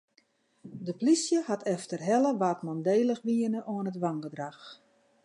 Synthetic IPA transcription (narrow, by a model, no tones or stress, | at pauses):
dəplisjəhatʰɛftərɦɛləʋaːtmɔndeːlˠəxʋiənəʔoənətʋaŋɡədrax